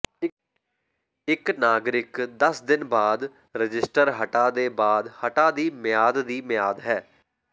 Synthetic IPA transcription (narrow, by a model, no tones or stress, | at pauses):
ɪknaːɡɾɪkd̪əsd̪ɪnbaːd̪ | ɾəd͡ʒɪsʈəɾɦəʈaːd̪eːbaːd̪həʈaːd̪iːmɪjaːd̪d̪iːmɪjaːd̪ɦɛː